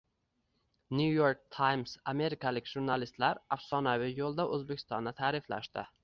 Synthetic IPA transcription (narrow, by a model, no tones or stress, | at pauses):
njujoɾk̚t̪ʰajmsame̞ɾɪkʰalɪkʲʒ̥ʊɾnalɪst̪laɾafsɒnavɪjolˠd̪aʔɵzbekʲʰɪ̥st̪ɒnd̪at̪ʰaːɾɪfla̰ʃt̪ɪ